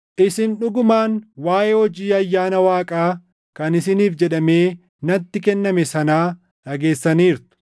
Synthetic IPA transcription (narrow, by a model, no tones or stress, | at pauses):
ʔɪsɪnᶑʊɡʊmaːnwaːʔehɔd͡ʒiːɐjːaːnɐwaːkʼaː | kɐnɪsɪniːfd͡ʒɛɗɐme̞ː | nɐt̪ːɪkɛnːɐmɛsɐnaː | ᶑɐɡe̞ːsːɐniːɾt̪ʊ̥